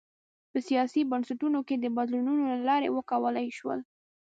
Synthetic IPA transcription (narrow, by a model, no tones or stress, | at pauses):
pəsijɑsibənsaʈunoked̪əbad̪lununolalɑɾḛwəkawəlajʃwə̰l